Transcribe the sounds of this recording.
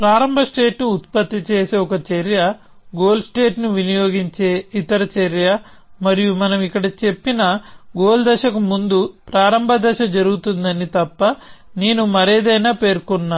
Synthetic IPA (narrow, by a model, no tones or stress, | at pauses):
pɾaːɾɐmbʱɐsʈeːʈnuːt̪̚pɐt̪ːit͡ʃe̞ːseɔkɐt͡ʃɐɾjɐ | ɡo̞ːlsʈe̞ːʈnuʋinijoːɡiɲt͡ʃe̞ːit̪ɐɾɐt͡ʃɐɾjɐ | mɐɾijumɐnɐmikːɐɽɐt͡ʃe̞pːinɐɡoːld̪ɐʃɐkumund̪upɾaːɾɐmbʱɐd̪ɐʃɐd͡ʒɐɾuɡut̪und̪ɐnit̪ɐpːɐneːnumɐɾɛːd̪ɐjnaːpe̞ːɾkɔnːaː